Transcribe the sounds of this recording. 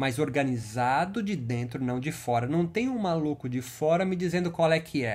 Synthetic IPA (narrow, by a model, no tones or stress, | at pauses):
mazoɾɡɐnizad̪ʊd͡ʒɪd̪ẽnt̪ɾʊnɐ̃w̃d͡ʒɪfɔɾɐnɐ̃w̃t̪ẽɲʊũmalukʊd͡ʒɪfɔɾɐmɪd͡ʒizẽnd̪ʊkwawɛkʰɪɛ